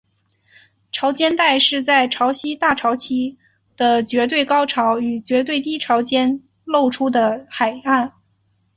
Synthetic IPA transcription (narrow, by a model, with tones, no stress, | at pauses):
ʈ͡ʂʰɑ˧˥ʊt͡ɕjɛ˥nt̪a˥˧ɪʂɻ̩˥˧t͡sa˥˧ɪʈ͡ʂʰɑ˧˥ʊɕi˥t̪a˥˩ʈ͡ʂʰɑ˧˥ʊt͡ɕʰi˥ | d̪̥ə˨t͡ɕɥɛ˧˥t̪we˥˩ɪkɑ˥ʊʈ͡ʂʰɑ˧˥ʊy˨˩t͡ɕɥɛ˧˥t̪we˥˩ɪt̪̬i˥ʈ͡ʂʰɑ˧˥ʊt͡ɕjɛ˥n | lo˥˩ʊʈ͡ʂʰu˥d̪ə˨xa˨˩ɪa˥˩n